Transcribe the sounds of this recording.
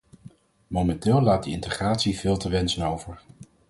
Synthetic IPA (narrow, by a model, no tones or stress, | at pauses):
mowmɛntɪːlˠlaːt̚dəɪntəχraːtsiv̥ɪːlˠtəʋɛnsənowvəɹ